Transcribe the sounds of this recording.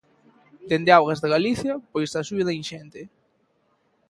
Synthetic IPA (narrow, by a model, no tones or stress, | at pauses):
d̪end̪eawɣazðeɣaliθjɐpojsasueðainʃɛnt̪e